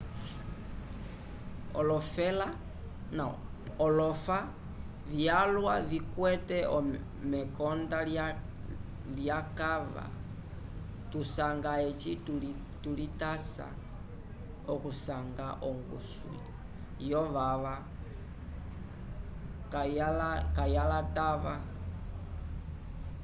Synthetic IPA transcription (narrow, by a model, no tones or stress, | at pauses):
ɔ̰lɔfɛla | naɔlɔfa | vjalwavikwɛtɛʔɔ | mɛkɔnda | ljakava̰ | tusaŋɡaɛt͡ʃitu | tulitasa̰ | ɔkusaŋɡaʔɔ̰ŋɡṵswḭi | jɔʋaʋa | kalakajalataʋa